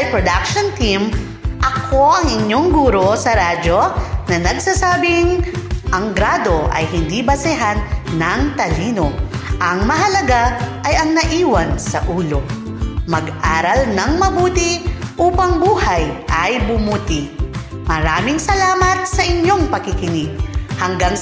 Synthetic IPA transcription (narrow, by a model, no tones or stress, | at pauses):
jpɾod̪akʃont̪im | ʔɐkʰo̞ʔɐŋɪɲjo̞ŋɡuːɾo̞sɐɾad͡ʒo̞nɐnɐɡsasaːbɪŋʔɐŋɡɾaːd̪o̞ʔɐ̰jhɪnd̪ibɐsɛɦanːɐŋt̪ɐliːno̞ʔɐŋmɐɦɐlɐɡaʔɐjɐŋnɐʔiːwɐnsɐʔuːlo̞ | mɐɡʔaːɾɐlnɐŋmɐbuːt̪ɪʔuːpɐŋbuːhajʔɐjbʊmuːt̪ɪ | mɐɾaːmɪŋsɐlaːmɐt̪̚sɐʔɪɲjo̞ŋpɐkɪkɪnɪɡhɐŋɡaŋ